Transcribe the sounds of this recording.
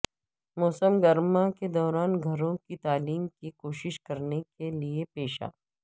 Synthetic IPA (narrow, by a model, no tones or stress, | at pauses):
mɔːsəmɡɐɾmaked̪ɔːɾaːnɡʱɐɾõkit̪aːliːmkikoːʃɪʃkɐɾnekeliepeːʃa̰ː